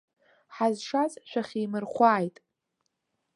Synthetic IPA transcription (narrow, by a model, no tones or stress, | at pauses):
ħazʂat͡sʼʃʷᶣaχʲiːmɨrχʷaːjtʼ